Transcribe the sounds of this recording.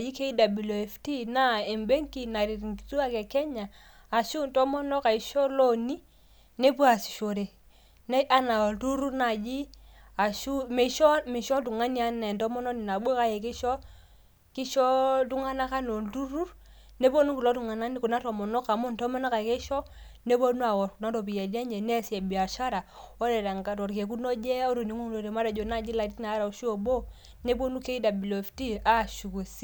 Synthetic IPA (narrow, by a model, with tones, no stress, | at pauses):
a˨ji˦ke˦i˦da˨bi˨lo˨e˨fti˦na˦e˨mbe˦ŋ˦ki˦˨na˨ɾi˨ɾŋ˨ki˨tu˦a˦˨kɛ˨kɛ˦ɲa˨ | a˨ʃu˦ntɔ˦mɔ˦nɔ˦ka˨i˨ʃɔ˦lo˦ni˦ | ne˦p̬u˦a˨si̥˨ʃo˨ɾe˨ | n˦a˦na˨tu˦ɾu˦na˨d͡ʒi˦a˨ʃu˦me˨ʃɔ˦mɪ˨ʃɔ˦t̬u˨ŋa˦ni˦a˦nɛ˨ntɔ˦mɔ˦nɔ˦ni˨na˨ɓo˦ka˦je˨ki˦ʃɔ˦ | ki˦ʃɔ˦tu˦ŋa˦na˦ka˦no˨ndu˦ɾu˦ɾ | ne˦bo˦nu˦ku˨lo˦tu˨ŋa˨na˦ni˦ku˨na˦to˨mɔ˨no˦ka˨mu˦nto˦mɔ˦na˦ka˨ke˦ʃɔ˦ne˦bo˦nu˦a˨wo˨ɾku˨na˦to˨bi˨je˨de˦ɲd͡ʒe˨ne˦˨se˨bi˨a˨ʃa˦ɾa˨o˦de˨da˨ŋɡa˨tɔ˨ɾke˨k̬u˦no˦d͡ʒe˦o˦ɾo˨ni˦ŋu˦ŋlo˨ɾe˨ma˦da˨d͡ʒo˨na˦˨d͡ʒi˦la˨di˦na˨˦ɾa˨u˨ʃu˦o˨bo˦ | ne˦bo˦nu˦ke˦i˦da˨bi˨lo˨fti˦a˦˨ʃu˨ku˨si˦˨